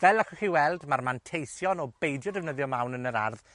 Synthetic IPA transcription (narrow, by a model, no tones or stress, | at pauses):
vɛlakʰɔχiwɛlˠdmarmantʰejθjɔnɔbejdjɔdɛvnəðjɔmawnənəɾa̰rð